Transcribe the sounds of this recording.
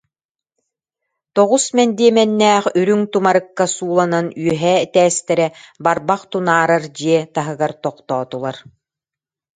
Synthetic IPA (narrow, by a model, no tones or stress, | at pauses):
t̪ɔʁusmɛnd̪iɛmɛnːæːχyɾyŋt̪umaɾɯkːasuːlˠananyœɦɛɛt̪ɛːst̪ɛɾɛbaɾbaqt̪unaːɾaɾd͡ʑiɛt̪aɦɯɡaɾt̪ɔqt̪ɔːt̪ulˠaɾ